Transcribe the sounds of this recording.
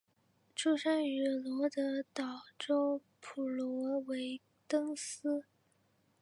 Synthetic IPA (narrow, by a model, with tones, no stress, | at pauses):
ʈ͡ʂu˥˧ʂa˥ny˨˩lwɔ˧˥d̪ə˧˦t̪ɑ˨˩ʊʈ͡ʂo˥ʊ | pʰu˨˩lwɔ˧˥we˧˥ɪ | t̪ɤ˥ŋs̩˥